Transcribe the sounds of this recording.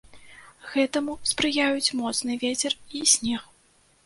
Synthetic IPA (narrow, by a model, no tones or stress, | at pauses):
ɣɛt̪ɐmuspɾɨjajut͡sʲmɔt̪snɨvʲɛt͡sʲɛrisʲnʲɛx